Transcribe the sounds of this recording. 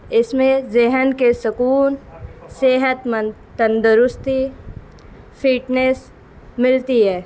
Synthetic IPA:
ɪsmẽzɪɦənkesɐkuːnseːɦət̪mə | t̪ɐ̃nd̪əɾʊst̪i | pʰiːʈneːs | mɪlt̪iɦɛː

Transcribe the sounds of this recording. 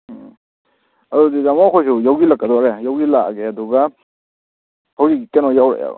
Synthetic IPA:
adudizamɔkʰɔjs̬ujawɡilakːadɔaɾɛjawɡilaɡeaduɡa | hawzikikɛnɔjawɾḛja̰

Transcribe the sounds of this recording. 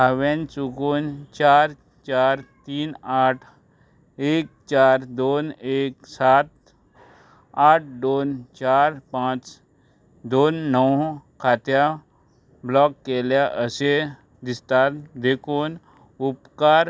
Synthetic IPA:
aʋent͡sukuːnt͡ʃaɾ | t͡ʃaːɾt̪iːnaːʈʰ | eːk̚t͡ʃaːɾd̪oneːksat̪̚ | aʈ̚ʰd̪oːnt͡ʃaɾpãt͡ʃ | d̪oːnːɔwkʰat̪ja | blɔkːeljaʔəse | d̪ist̪at̪d̪ekʰuːn | upkaɾ

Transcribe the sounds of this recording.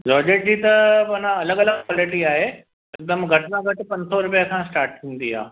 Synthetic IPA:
d͡ʒɔːd͡ʑeːʈ̚d͡ʑiːt̪ɐpɐnãɐləɡɐləɡ̚kwɔːlɪʈiaːɦe | ɪk̚d̪əmɡʱɐʈnãɡʱɐʈpɐ̃ɲsoɾʊpjəkʰãːsʈaːɾʈ̚t̪ʰĩːnd̪iɦa̰ː

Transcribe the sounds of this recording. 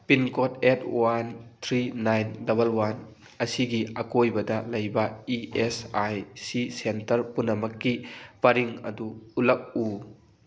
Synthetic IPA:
pinkɔt̚ɛt̚ʰwant̪ʰɾinajndɐbɐlwan | ɐsiɡiʔɐkojbɐd̪alɐjbɐiʔesajsisentɐɾpunɐmɐkːipɐɾiŋɐ̰d̪uulɐk̚ːu

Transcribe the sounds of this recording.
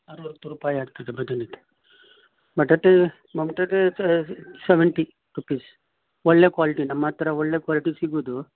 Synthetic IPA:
ɐɾuʋɐɾɐkt̪ːuɾuːpaːjiaːɡ̚t̪ad̪ebɐd̪ɐnit̪ːe̥ | bɐʈːɐt̪e | mɐmɐʈɐt̪e | seʋeɳʈi | ɾupiːs | ɔɭːe̞ːkʋaːliʈinɐmːɐt̪ɐɾɐɔɭːeːkʋaːliʈisiɡuud̪u

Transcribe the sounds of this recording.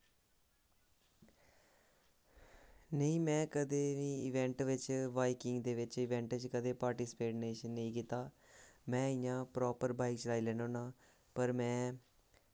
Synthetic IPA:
nəĩːmɛ̃ːkəd̪eːʋiːɪʋɛ̃ɳʈʋɪt͡ʃʋaːikɪŋɡd̪eːʋɪt͡ʃɪʋɛ̃ːɳʈt͡ʃkəd̪eːpaːɾʈiːsɪ̥peːʈneːʃənːəĩːkiːt̪aː | mɛ̃ːɪjãːpɾɔːpəɾbaːikt͡ʃəlaːiːlɛːnõːnãː | pəɾmɛ̃ː

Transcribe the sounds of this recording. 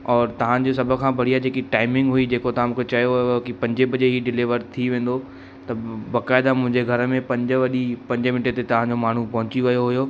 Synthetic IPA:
ɔːɾt̪ɐʋ̤ãd͡ʑos̬ɐbʱə̆kʰãːbɐɽ̤ijad͡ʑeːkiʈaːɪmɪ̃ŋɡɦuid͡ʑeːkot̪ɐʋãmũːkʰet͡ɕɐjojookipɐ̃ɲd͡ʑebʱɐd͡ʑeɦiɖɪlɪʋəɾt̪ʰiʋẽːn̆d̪o | t̪ɐbaːkaːɪd̪amʊ̃ɦɪ̃ɲd͡ʑeɡʱɐɾəmẽpɐ̃ɲd͡ʑəʋɐɗipɐ̃ɲd͡ʑəmɪnəʈet̪et̪ɐʋ̤ãd͡ʑomaːɳ̤upɐɦʊ̃t͡ɕiʋɐjoɦʊjo

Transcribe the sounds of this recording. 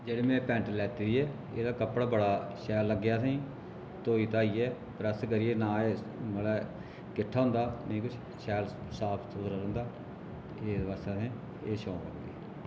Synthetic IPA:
d͡ʒeːɽeːmɛ̃ːpɛ̃ːɳʈlɛːt̪iːd̪iːɛː | ḛːd̪aːkəpːɽaːbəɽaːʃɛːlːəɡːjaːsẽː | t̪oːiːt̪aːiːɛː | pəɾəskəɾieːnãːeː | məlɛː | kɪʈʰːaːɦʊ̃nd̪aːnəĩːkʊt͡ʃʰ | ʃɛːlsaːbt̪ʊzəɾaɾə̃ːnd̪aː | t̪ːeːd̪ʋaːsaːsẽː | eːʃõːlə̰ɡd̪ḭː

